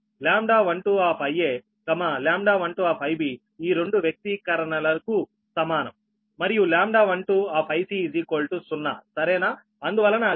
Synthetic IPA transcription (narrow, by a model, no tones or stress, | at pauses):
ljaːmɖaːʋɐɳʈuːaːpʰɐjːeː | kɐmaljaːmɖaːʋɐɳʈuaːpʰɐjbi | iːɾe̞ɳɖuʋjɐk̚t̪ikɐɾɐɳɐlɐku | sɐmaːnɐ̰mː | ɐɾijuljaːmɖaːʋɐɳʈuaːpʰɐjsid͡ʒiːkoːlʈusunːa̰ːsɐɾɛːnaː | ɐnd̪uʋɐlːɐna